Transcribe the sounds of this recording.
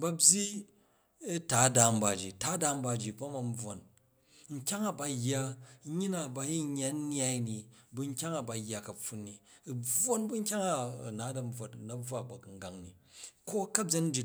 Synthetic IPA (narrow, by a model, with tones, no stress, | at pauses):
bɐ˦bʲji˦ | ta˨˦da˨m̩˦ba˨d͡ʒḭ˨ta˦da˨m̩˦ba˧˨d͡ʒi˨ba˦ma˨m˦b͡vo˨n | ŋ̩˦kʲa˦ŋa˨ba˨jːa˦ɲi˦na˨ba˨ji˦ɲː˦a˨˦n˦nja˦i˦ni˨bu˦ŋ̩˦kʲa˦ŋa˨ba˨jːa˨kɐ˨ɸu˨˦nːi˨ | b͡vo˦nbu˦ŋ̩˦kʲa˦ŋa̰˦˨na˨˦dɐ˨m̩˦b͡vwo˨tnɐ˨b͡vwa˦˨ba˨ku˨ŋ̩˨ɡa˨ŋnḭ˨ko˦kɐ˦bʲe˦n̩˦d͡ʒi˨